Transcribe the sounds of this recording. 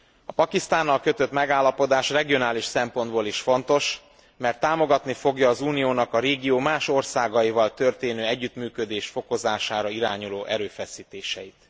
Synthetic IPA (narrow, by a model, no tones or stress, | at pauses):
ɒpɒkist̪aːnːɒlkø̞t̪ø̞t̪mɛɡaːlːɒpo̞d̪aːʃrɛɡijo̞naːliʃsɛmpo̞nd̪boːliʃfo̞nt̪o̞ʃ | mɛrt̪ːaːmo̞ɡɒt̪nifo̞ɡjɒːzuːnijoːnɒkɒɾeːɡijoːmaːʃo̞rsaːɡɒjivɒlt̪ø̞rt̪eːnøːɛɟːyt̪myːkø̞d̪eːʃfo̞ko̞zaːʃaːɾɒiɾaːɲuloːʔɛɾøːfɛsiːt̪eːʃɛ̰jit̪